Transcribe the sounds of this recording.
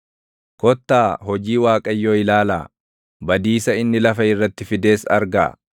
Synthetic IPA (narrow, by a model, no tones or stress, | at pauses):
kɔt̪ːaːhɔd͡ʒiːwaːkʼɐjːoːɪlaːla̰ː | bɐd̪iːsɐɪnːɪlɐfɐɪrːɐt̪ːɪfɪd̪e̞ːsɐ̰ɾɡa̰ː